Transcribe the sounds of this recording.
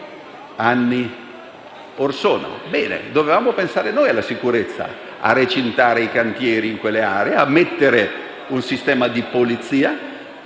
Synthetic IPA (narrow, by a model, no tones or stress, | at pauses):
anːi | orsoːna̰bɛːnḛd̪ovevaːmopensaːɾenoːjalːasikuɾet̪sːa̰ | a̰ret͡ʃent̪aːɾeikant̪jɛːɾiːŋkwelːeaːɾeeamːet̪ːeɾe | unsist̪ɛːmad̪ipolit̪siːa